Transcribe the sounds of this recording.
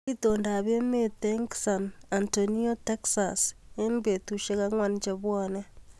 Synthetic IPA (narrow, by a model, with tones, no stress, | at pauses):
i˦to˨nda˨βe˦me˦te˦ŋksa˨na˨ntoni˦o˦te˦ksa̰se˦nbe˨tu˨ʃe˦ka˦ŋwa˦˨nt͡ʃeβwɔne˦